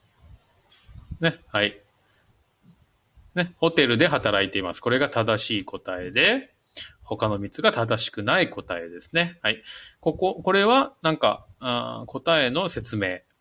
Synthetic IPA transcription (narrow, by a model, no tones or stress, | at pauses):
ne̞hai | ne̞ho̞t̪e̞ɾɯ̟d̪e̞ɦat̪aɾait̪e̞ima̰sɨ̥ko̞ɾe̞ɡat̪ad̪aɕiːko̞t̪ae̞d̪e̞ | ho̞kano̞mʲit͡sɨɡat̪ad̪aɕi̥kɯ̟naiko̞t̪ae̞d̪e̞sɨ̥ne̞haiko̞ko̞ko̞ɾe̞βanãŋkã̰ | kʰo̞t̪ae̞no̞se̞t͡sɨme̞ː